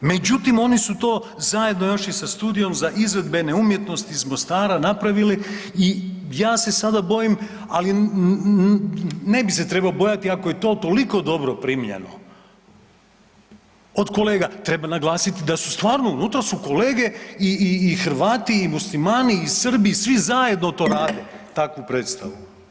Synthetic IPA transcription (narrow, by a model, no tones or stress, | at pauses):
me̞d͡ʒut̪imo̞nisut̪o̞ː | zaje̞d̪no̞jo̞ʃisast̪uːd̪ijo̞mzaʔizʋe̞d̪be̞ne̞umje̞t̪no̞st̪iːzmo̞st̪aːɾanapɾaʋilii | jaːse̞sad̪abo̞jim | ali | ne̞bise̞t̪ɾe̞baobo̞jat̪iakoje̞t̪o̞ːt̪o̞liko̞d̪o̞bɾo̞pɾimʎḛno̞̰ | od̪ko̞le̞ːɡat̪ɾe̞banaɡlˠaːsit̪id̪asust̪ʋaːɾnounut̪ɾasuko̞le̞ːɡe̞iːxrʋaːt̪iːmuslimaːniːsr̩biːsʋizaje̞d̪not̪o̞ːɾaːd̪e̞t̪akʋupɾeːt̪st̪aʋu